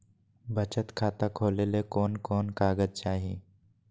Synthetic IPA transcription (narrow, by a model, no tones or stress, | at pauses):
bət͡ʃət̪kʰaːt̪akʰoːlelekɔːnkɔːnkaːɡəd͡ʒt͡ʃaːɦiḛː